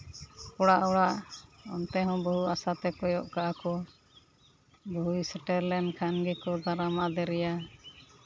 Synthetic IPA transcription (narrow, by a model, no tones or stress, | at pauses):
kɔɽaʔɔɽaʔɔ̰nt̪ɛɦɔ̃bɔɦuasat̪ɛkɔjɔʔkaʔakɔ | bɔɦujsɛʈɛɾlɛnkʰanɡɛkɔd̪aɾamad̪ɛɾɛja